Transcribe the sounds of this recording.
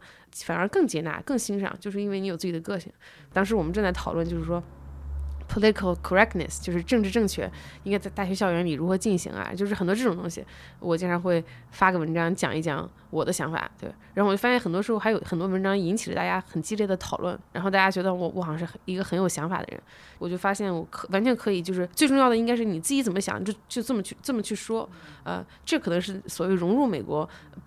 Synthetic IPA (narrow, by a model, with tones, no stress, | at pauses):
fa˨˩nə˞˧˥kɤ˥˩ŋt͡ɕjɛ˧˥na̰˧˥kɤ˥˩ŋɕi˥nʂɑ̰˧˩ŋt͡ɕjo˥˧ʊʂɻ̩˥˧i˥nwe˥˩ni˧˥jʊt͡sɹ̩˥˩t͡ɕi˨˩ə˧kɤ˥˧ɕḭ˨˩ŋ | t̪ɑ˥ŋʂɻ̩˧˥wɔ˨˩m˦nʈ͡ʂɤ˥˧nt͡sa˥˩ɪt̪ʰɑ˨˩ʊlwə˥˧nt͡ɕo˥˧ʊʂɻ̩˥˩ʂwɔ˥ | pʰo˨˧li˥t̪i˧kʰə˧˩lkʰə˨˩ɹɛ˥k̚nə̰˩st͡ɕjo˥˧ʊʂɻ̩˥˧ʈ͡ʂɤ˥˧ŋʈ͡ʂɻ̩˧ʈ͡ʂɤ˥˧ŋt͡ɕʰɥɛ̰˥˩i˥nwt͡sa˥˧ɪt̪a˥˩ɥɛ˧˥ɕjɑ˥˩ʊɥɛ˧˥nli˨˩ɻu˧˥xɤ˧˥t͡ɕi˥˩nɕḭ˧˥ŋa̰˧t͡ɕjʂɻ̩˥˩ə˨n˩t̪wɔ˥ʈ͡ʂɤ˥ʈ͡ʂʊ˨˩t̪ʊ˥ŋɕḭ˨ | wɔ˨˩t͡ɕi˥ŋʈ͡ʂʰɑ˧˥ŋxwe˥˩ɪ | fa˥ɡə˩wə˧˥nʈ͡ʂɑ˥ŋt͡ɕjɑ̰˨˩ŋʔi˥˩t͡ɕjɑ̰˧˥ŋ | wɔ˨˩d̪ə˦ɕjɑ˧˥ŋfa̰˨˩˦t̪we˥˩ɪɻa˧˥xo˥˩wa˥ɕɛ˥˩nxə˨˩nt̪wɔ˥ʂɻ̩˧˥xo˥˧ʊxjo˧˩ʊxə˨˩nt̪wɔ˥wə˧˥nʈ͡ʂɑ˥ŋi˧˥nt͡ɕʰi˨˩lə˦t̪a˥˩t͡ɕja˥xə˨˩nt͡ɕi˥ljd̪ə˩t̪ʰɑ˨˩ʊlwə̰˥˩nɻa̰˧˥nxt̪a˥˩t͡ɕja˥t͡ɕɥɛ˧˥d̪ə˧wɔ˨˩wɔ̰˧˥xɑ˨˩˦ŋʂ̬ɻ̩˥˩˧i˧˥ɡə˧xə˧˥njo˨ʊɕjɑ˧˥ŋfa̰˨˩d̪ə̰˦ɻə̰˧˥n | wɔ˨˩t͡ɕjo˥˩ʊfa˥ɕjɛ˥˩nwɔ˧˥kʰwa˧˥nt͡ɕʰɥɛ˧˥nkʰɤ˧˥i˨˩t͡ɕjo˥˧ʊʂɻ̩˥˧˩t͡swe˥˧ɪʈ͡ʂʊ˥˧jɑ˥˩ʊdə˩i˥ŋka˥ɪʂ̬ɻ̩˥˩ni˨˩t͡sɹ̩˥˩t͡ɕi˧˥t͡sə˨˩nmə˦˥ɕjɑ̰˨˩ŋt͡ɕo˥˧ʊt͡ɕjo˥˧ʊt͡sə˥˩mə˩t͡ɕʰy˥˧t͡sə˥˩mə˩t͡ɕʰy˥˩ʂwɔ˥ə̰˧ | ʈ͡ʂɤ˥˩kʰɤ˨˩nɤ˧˥ŋʂɻ̩˥˩swɔ˨˩we˧˥˩ɪɻʊ˧˥ŋɻu˥˩me˨˩ɪkwɔ̰˧˥